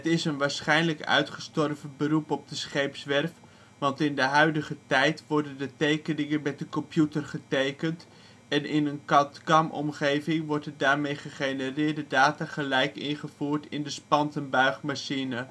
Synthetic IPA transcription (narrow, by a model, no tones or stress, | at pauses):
ətɪsənʋaːɹsχɛjnləkœ̰ɥtχə̥stɔrvəbərupɔb̚dəsχejpsʋɛrf | ʋɑntɪndəɦœɥdəχətɛjtʋɔɹdəndətejkənɪŋənmɛt̚dəkɔmpjutərχətejkənt | ɛnɪnənkɑtkɑmɔ̰mχejvɪŋʋɔɹtədaːɹmejχəχejnərɪːɹdədaːtaχəlɛjkɪ̰nχəv̥uːɹtɪndəspɑntənbœɥχmaʃinə